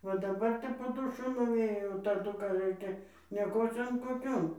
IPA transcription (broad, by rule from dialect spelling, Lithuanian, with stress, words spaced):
ˈʋɐ dɐˈbɐr tɐɪ poː ˈdʊʃʊ nʊˈʋʲeːjoː oː tɐˈdʊ kɐ ˈrɐɪkʲɛ nʲiɛˈkoːt͡sʲoːn koːˈkʲoːn